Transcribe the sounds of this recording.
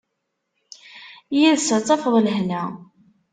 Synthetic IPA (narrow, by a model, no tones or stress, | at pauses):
jiðsət͡sːˤɑfəðˤləhnæ